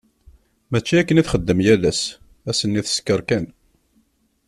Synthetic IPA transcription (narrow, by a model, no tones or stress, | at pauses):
mæt͡ʃːiækːəniθχəd̪ːəmjælæs | æsənːiθə̥skəɾkæn